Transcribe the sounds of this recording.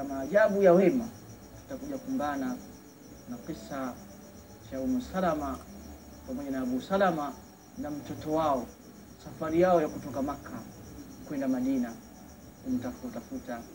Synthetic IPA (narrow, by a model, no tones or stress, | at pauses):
amaːʄaɓujawɛma | tu̥takuʄakumbana | naqisa | t͡ʃaumusalama | pamɔʄanaaɓusalama | nam̩tɔtɔwaɔ | safaɾijaɔjakutɔkamaka | kwɛndamaɗina | kum̩tafutafuta